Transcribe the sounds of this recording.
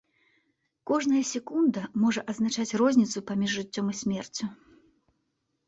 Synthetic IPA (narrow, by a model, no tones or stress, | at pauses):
kɔʐnɐjɐsʲɛkund̪ɐmɔʐɐʔɐznat͡ʂat͡sʲrɔzʲnʲit̪supamʲiʐːɨt͡sʲːɔmɨsʲmʲɛrt͡sʲu